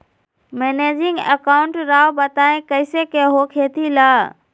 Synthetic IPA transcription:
meːneːd͡ʒɪ̃ŋɡə̰kaːʊ̃ɳʈɾaːwbət̪aːẽkəɪsekeɦokʰeːt̪ʰilaː

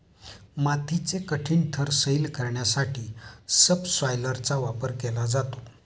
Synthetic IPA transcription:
mat̪ʰit͡sekəʈʰiːɳt̪ʰəɾsəilkəɾɳjasaʈʰiːsəbsʋajləɾt͡saʋapəɾkelad͡zat̪o

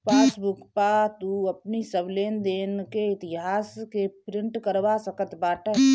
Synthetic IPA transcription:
peːsbʊkpat̪uəpnisəbleːnd̪eːnkeɪt̪ɪɦaːskepɾɪ̃ɳʈkəɾʋasəkət̪baːʈəɦ

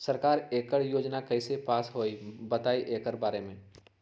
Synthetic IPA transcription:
sɐɾkaːɾeːkəɽjoːd͡ʒnakɐɪsepaːsɦoːibɐt̪aːiʔeːkəɾbaːɾemẽː

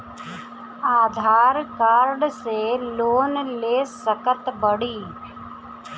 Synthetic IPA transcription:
aːd̪ʱaːɾkaːɾɖseloːnleːsəkət̪bəɽiː

